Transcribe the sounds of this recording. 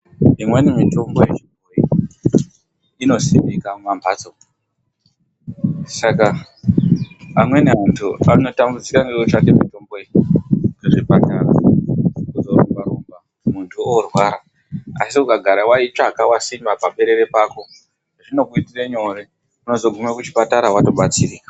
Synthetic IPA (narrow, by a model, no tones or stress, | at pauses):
imwenimito̞mbo̞jeʐibʱoi | ino̞simbikamambʱaːt͡so̞ | saka | mwe̞neuntʰuano̞tambud͡zikaŋɡewot͡ʃake̞mito̞mbo̞ekeʐipataɾa̰ | kuzoro̰mbaɾomba | muntʰuorwaɾa | asikukaɡʱaɾawait͡ʃakawasimbapaɓe̞ɾe̞ɾe̞paːko̞ | ʐino̞kuitireɲo̞re | uno̞zo̞ɡʱumekut͡ʃi̥pataɾawato̞ɓat͡siriːkḁ